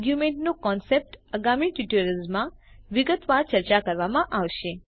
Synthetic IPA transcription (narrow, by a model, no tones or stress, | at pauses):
ɡjumẽɳʈnokɔnsep̚ʈəɡamiʈjuʈəɾəlzmãʋɪɡət̪ʋaɾt͡ʃəɾt͡ʃakəɾʋamãʔaʋʃe